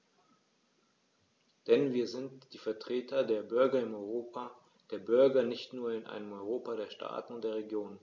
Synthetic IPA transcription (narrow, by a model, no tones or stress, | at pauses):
d̥ɛnviːɐzɪntd̥iːfɛɐtʁ̥eːtʰɐdeːɐbʏɐɡɐɪmɔʏʁoa | d̥eːɐbʏɐɡɐnɪçtnuːɐɪnʔa̰ɪnəmɔʏʁoːpaɾeːɐʃtʰa̰ːtn̩ʊnt̚d̥eːɐʁeɡjoːn